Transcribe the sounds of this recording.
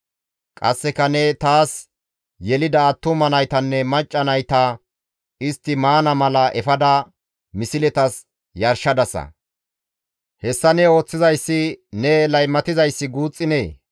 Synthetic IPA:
kʼɐ̰sːɛkɐnɛt̪aːs | jɛlɪd̪ɐːt̪ːʊmɐnɐjt̪ɐnːɛmɐt͡ʃʼːɐnɐjt̪ɐ | ɪst̪ːɪmaːnɐmɐlɐʔɛfɐd̪ɐ | mɪsɪlɛt̪ɐs | jɐɾʃɐd̪ɐsɐ̰ | hɛsːɐnɛo̞ːt͡sːɪzɐjsːɪnɛlɐjmːɐt̪ɪzɐjsːɪɡuːt͡sʼːɪneː

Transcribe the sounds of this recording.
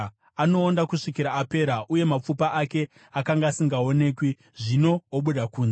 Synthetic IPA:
ano̞ːndakuʂikiɾaːpe̞ːɾaʔuje̞map͡fupaʔake̞ | akaŋɡaːsiŋɡao̞ne̞ːkwi | ʐino̞ːɓuɗakuːnze

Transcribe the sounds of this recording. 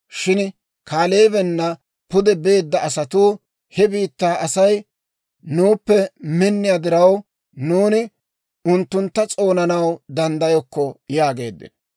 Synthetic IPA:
ʃɪn | kʰaːle̞ːbɛnːɐ | pʊd̪ɛbe̞ːd̪ːɐɐsɐt̪uː | hɛbiːt̪ːaːʔɐsɐj | nuːpːɛmɪnːɪjad̪ɪɾɐw | nuːnɪ | ʊnt̪ːʊnt̪ːɐt͡sʼo̞ːnɐnɐwd̪ɐnd̪ɐjɔkːɔjaːɡe̞ːd̪ːɪ̰n

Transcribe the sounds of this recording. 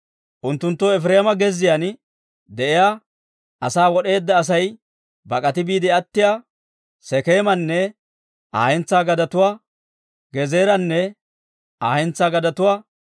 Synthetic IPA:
ʔʊnt̪ːʊnt̪ːoɛfɾeːmɐɡɛzɪjan | d̪ɛʔɪjaː | ʔɐsaːwɔɗe̞ːd̪ːɐːs̬ɐj | bɐkʼɐt̪ɪbiːd̪ɪɐt̪ːɪjaː | sɛkeːmɐnːɛ | a̰ːhɛnt͡sːaːɡɐd̪ɐt̪ʊwaː | ɡɛze̞ːɾɐnːɛ | aːhɛnt͡sːaːɡɐd̪ɐt̪ʊwaː

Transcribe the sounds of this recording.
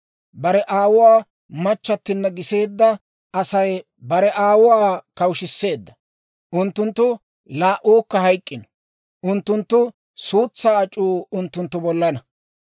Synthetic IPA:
bɐɾɛʔaːwʊwaː | mɐt͡ʃːɐt̪ːɪnːɐɡɪse̞ːd̪ːɐ | ɐsɐj | bɐɾɛʔaːwʊwaːkɐwʃɪsːe̞ːd̪ːɐ | ʔʊnt̪ːʊnt̪ːʊ | laːʔuːkːɐhɐjkʼːɪnɔ̥ | ʔʊnt̪ːʊnt̪ːʊ | suːt͡sːaːɐt͡ʃʼːuːʊnt̪ːʊnt̪ːʊbɔlːɐnɐ

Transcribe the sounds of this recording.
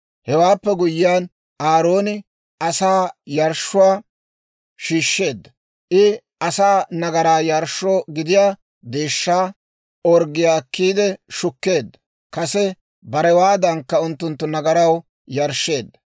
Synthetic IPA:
hɛwaːpːɛɡʊjːɪjaːn | ʔaːɾo̞ːnɪ | ʔɐsaːjɐɾʃʊwaː | ʃiːʃːe̞ːd̪ːɐ | ʔɪ | ʔɐsaːnɐɡɐɾaːjɐɾʃːoːɡɪd̪ɪjaː | d̪eːʃːaː | ɔɾɡɪjaːkːiːd̪ɛʃʊkːe̞ːd̪ːɐ | kɐsɛ | bɐɾɛwaːd̪ɐŋkːɐʊnt̪ːʊnt̪ːʊnɐɡɐɾɐw | jɐɾʃːe̞ːd̪ːɐ

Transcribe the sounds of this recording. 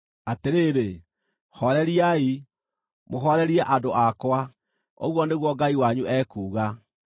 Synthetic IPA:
ateɾeːɾe | hɔɾɛɾiai | moɦɔɾɛɾiɛʔadoʔakwa | o̰ɣwɔneɣwɔɡaiwaɲuʔɛːkuːɣa

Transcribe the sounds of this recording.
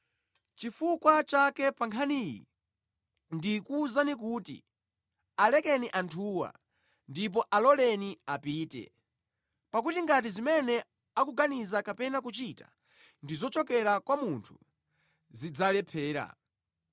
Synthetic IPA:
t͡ʃifukwat͡ʃakɛpaŋkʰaniːjḭ | ndikuzanik̬uːtḭ | alɛkɛniʔantʰuːwa̰ | ndip̬ɔʔalɔlɛniapiːtɛ̰ | pakutiŋɡat̬izimɛnɛ | akuɡanizakapɛnak̬ut͡ʃitḁ̰ | ndizɔt͡ʃɔkɛɾakwamuntʰu̥ | zid͡zalɛpʰɛːɾa̰

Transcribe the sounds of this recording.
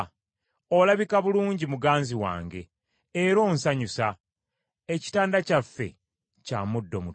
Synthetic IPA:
olaβikaβuluːɲɟimuɡaːnziwa̰ːŋɡe̞̰ː | ɾo̞ːnsaɲusa | eci̥taːndacafːe̞̰ | ca̰mudːo̞mu

